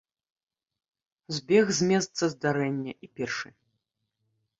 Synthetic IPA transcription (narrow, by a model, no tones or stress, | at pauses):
zʲbʲɛɣzʲmʲɛst̪sɐzd̪aɾɛnʲːɐʔipʲɛrʂɨ